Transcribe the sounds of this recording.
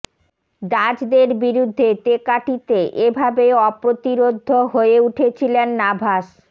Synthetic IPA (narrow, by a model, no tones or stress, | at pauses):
ɖad͡ʑd̪eɾbiɾud̪ʱːet̪ekaʈit̪eʔebʱabeɔpɾot̪iɾod̪ʱːoɦoeuʈʰet͡ɕʰilenːabʱaʃ